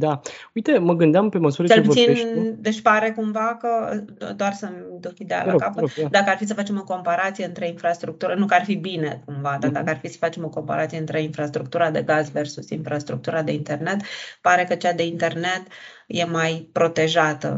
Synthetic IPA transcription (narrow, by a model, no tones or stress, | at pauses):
d̪aujt̪e̞məɡɨnd̪eampe̞məsuɾt͡ʃelput̪ind̪et͡ʃʲpaɾe̞kumvakəod̪oarsəmd̪ukid̪ea̰lakapəd̪akəarfis̬əfat͡ʃe̞mo̞ko̞mpaɾat̪sije̞ɨnt̪ɾeinfɾast̪ɾuk̚t̪uɾənukarfibine̞kumvad̪ad̪akəarfisə̥fat͡ʃe̞mo̞ko̞mpa̰ɾa̰t̪sijeɨnt̪ɾe̞infɾast̪ɾuk̚t̪uɾad̪e̞ɡazve̞rsusḭnfɾast̪ɾuk̚t̪uɾad̪e̞int̪e̞rne̞t̪paɾe̞kət͡ʃad̪e̞int̪e̞rne̞t̪ | je̞majpɾo̞t̪e̞ʒat̪ə̰